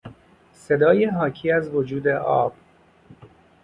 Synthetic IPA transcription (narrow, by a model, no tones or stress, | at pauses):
se̞d̪ɒːjeɦɒːcʰiːæzvod͡ʒuːd̪e̞ʔɒ̰ːb̥